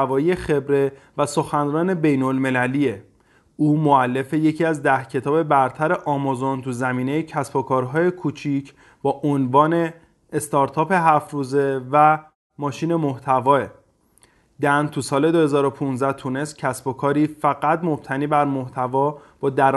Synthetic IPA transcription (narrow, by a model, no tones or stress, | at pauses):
vɒːjije̞xe̞bɾe̞ | væso̞xænɾɒːne̞be̞jnolme̞læliːe | uːmoælːe̞fe̞je̞cʰiːæzd̪æhcʰe̞t̪ʰɒːbe̞bæɾt̪ʰæɾe̞ʔɒːmɔzo̞nt̪ʰuzæmiːne̞jecʰæsbo̞kʰɒːɾɦɒːje̞kʰut͡ʃʰicʰ | bɒːʔonvɒːne̞ː | st̪ɒːɾt̪ʰɒːpe̞ɦæfɾuːze̞væ | mɒːʃiːne̞moht̪ʰævɒːe | d̪ænt̪ʰusɒːle̞d̪ohe̞zɒːɾo̞pʰunzæht̪ʰune̞st̪cʰæsbo̞kʰɒːɾiːfæɣæt̪mo̞b̥̚t̪ʰæniːbæɾmoht̪ʰævɒːb̥ɒːd̪æɾ